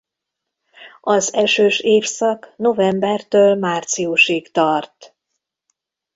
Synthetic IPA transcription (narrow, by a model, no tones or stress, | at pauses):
ɒzɛʃøːʃeːfsɒkno̞vɛmbɛrt̪øːlmaːrt̪sijuʃeːkt̪ɒrt̪